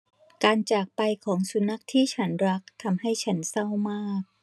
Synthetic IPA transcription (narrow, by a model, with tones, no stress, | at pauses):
kaː˧nt͡ɕaː˨˩k̚pa˧jkʰɔː˩˦ŋsu˨˩˦na˦˥k̚t̪ʰiː˥˩t͡ɕʰa˦˥nɾa˦˥k̚t̪ʰa˧mha˥˩jt͡ɕʰa˦˥nsa˥˩wmaː˥˩k̚